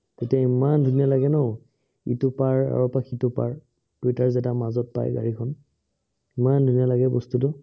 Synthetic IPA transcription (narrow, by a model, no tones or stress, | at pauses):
ketiaimandʱunijalaɡɛnɔ̃ | itʊpaɹa̰ɹɔpakʰitʊpa̰ɹ | d̥ujtaɹzɛtamazɔt̚pa̰jɡa̰ɹikʰɔn | imandʱunijalaɡɛbɔstutʊ